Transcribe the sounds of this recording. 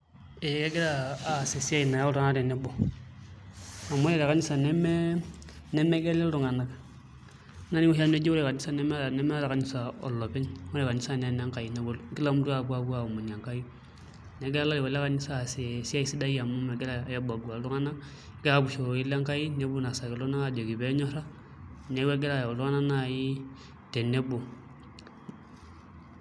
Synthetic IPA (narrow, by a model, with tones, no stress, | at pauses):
e˨˦ke˦ɡe˦ɾaː˦˨se˨si˦a˦i˨na˨ja˦o˦ɾa˦na˦ɾe˨ne˦bo˨ | a˨mo˦e˨ɾa˨ka˦ni˦sa˨nɛ˦mɛ˦ | nɛ˦me˦ɡe˦le˦lɾu˨ŋa˨na˨k | na˦ni˦o˦a˦ne˦d͡ʒi˦o˦ɾe˨ka˨ni˦sa˨nɛ˦m˦˨nɛ˦mɛ˦a˦ɾa˨ka˨˦ni˦sa˨ɔ̰˨lːo˨pɛ˦no˦ɾe˨ka˨ni˦sa˨ne˨˦na˦ŋka˨ji˨ne˨˦bo˦lɡi˦la˦mu˦du˦a˨bu˦a˨bu˦a˨mo˨ɲ˨a˨ŋka˦ji˦ | ne˨˦ɡɛ˦a˦la˦li˨wa˨la˦ka˨ni˦sa˦˨se˨si˦a˦i˦si˦da˦ji˦a˨mu˦mɛ˨ɡɛ˦la˦˨ja˦ba˨ɡu˨a˨˦du˦ŋa˦na˦ | ɡɛ˦a˨bu˨ʃo˨i˦la˦ŋka˦i˦ne˨˦bu˦˨na˨sa˨ki˨lɔ˦na˦a˦˨d͡ʒo˨ki˨bɛ˦ɲɔ˦ɾa˦ | ne˨˦we˦ɡɛ˦la˨ja˨lu˦ŋa˦na˦na˨ji˦ | te˨ne˦bo˨